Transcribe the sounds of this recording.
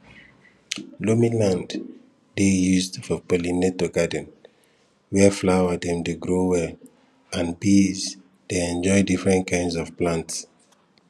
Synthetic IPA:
lomĩlãnd | dejuzdfɔpolinetoɡadə̃n | wɛflawadɛ̃mdeɡɹowɛl | ãnbiz | d̥eɛ̃nd͡ʒɔɪdifɹɛ̃ntkʰãɪ̃ndsɔv̥plãnts

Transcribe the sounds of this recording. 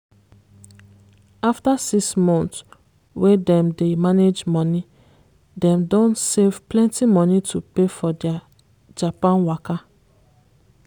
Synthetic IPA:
aftasiksmɔ̃nt | wedɛ̃mdemaned͡ʒmɔni | dɛ̃mdõntsev̥plɛ̃ntimɔnitʰupefɔdɛa | d͡ʒapãnwaka

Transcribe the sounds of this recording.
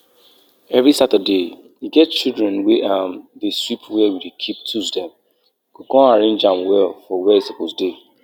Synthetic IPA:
ɛvɹisatəde | jiɡɛt̚t͡ʃildɹɛ̃nweʔamðeswipwɛwidekʰip̚tʰusdɛ̃m | kokɔ̃aɹẽnd͡ʒãmwɛlfɔwɛsebozde

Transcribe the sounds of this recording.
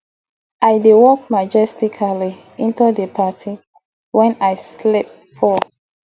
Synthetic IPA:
ʔajdewɔk̚mad͡ʒɛstikʰali | ĩntudəpʰatʰi | wɛ̃najslip̚ | fɔ

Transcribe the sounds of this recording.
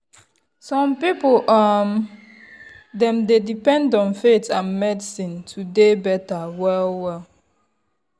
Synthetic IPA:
sɔ̃mpipolam | dɛ̃mdedipɛ̃ndɔ̃nfetʰãnmɛdisĩntʰudebɛtawɛlwɛl

